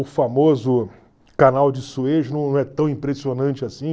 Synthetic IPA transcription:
ʊfamozʊ | kanawd͡ʒɪsueʒnɐ̃w̃nɐ̃w̃ɛt̪ɐ̃w̃ĩpɾesionɐ̃nt͡ʃɪasĩ

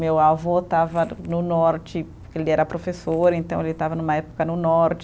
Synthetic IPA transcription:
mewavɔt̪avɐnʊnɔɾt͡ʃɪpokelɪɛɾɐpɾofesoɾẽnt̪ɐ̃w̃elɪt̪avɐnũmɐɛpo̥kɐnʊnɔɾt͡ʃɪ

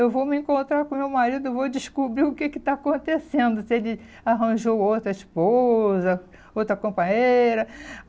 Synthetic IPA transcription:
ewvowmɪẽkõnt̪ɾakõmewmaɾid̪ʊevod͡ʒiʃkubɾiʊkekɪt̪aakõnt̪esẽnd̪ʊsɪelɪ | aɦɐ̃ʒowowt̪ɾɐiʃpozɐ | owt̪ɾɐkõmpɐ̃ɲeɾɐ

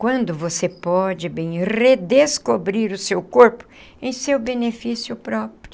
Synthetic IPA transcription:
kwɐ̃nd̪ʊvosepɔd͡ʒɪbẽj̃red̪eskobɾiɾʊsewkoɾpʊ̥ | ẽj̃sewbenefisjʊpɾɔpɾʊ

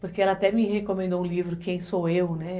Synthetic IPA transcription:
poɾkeɛlɐat̪ɛmihekõmẽnd̪oũlivɾʊkẽj̃soewnɛ

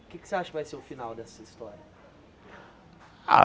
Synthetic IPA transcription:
ʊkɪkɪ̥seaʃɐkɪvajseɾʊfinawd̪ɛsɐist̪ɔɾjɐ | a̰

